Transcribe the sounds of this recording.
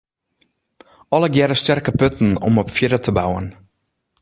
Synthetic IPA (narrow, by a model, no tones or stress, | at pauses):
ɔləɡjɛɾəstɛrkəpøtn̩ɔ̰mɔpfjɪɾətʰəbawən